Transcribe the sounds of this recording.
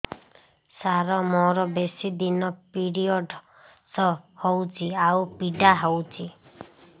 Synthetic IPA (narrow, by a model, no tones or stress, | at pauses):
saɾɔmɔɾɔbesid̪inɔpiɽijɔɖ | sɔhowt͡ʃʰiawpiɖaɦɔwt͡ʃʰi